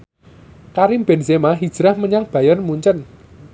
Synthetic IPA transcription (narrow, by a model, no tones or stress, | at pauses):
kaɾimbɛnsemaɦid̥ʒ̥ɾahməɲaŋb̥ä̤jɔnmuɲt͡ʃən